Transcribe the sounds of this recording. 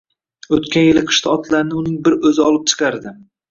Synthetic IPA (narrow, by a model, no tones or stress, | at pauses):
ot̪kʲʰanjɪlɪqʰɨ̥ʃt̪aɒt̪ʰlaɾnɪʊnɪŋbɪɾɵzɪɒlˠɪp̚t͡ʃʰɨ̥qʰɑɾd̪ɪ